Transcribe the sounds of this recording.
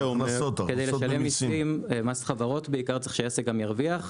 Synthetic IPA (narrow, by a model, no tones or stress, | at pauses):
umokedejleʃalemisimemasχavaʁo̞tbeikaʁtt͡seχʃejaseɡamjaʁviaχ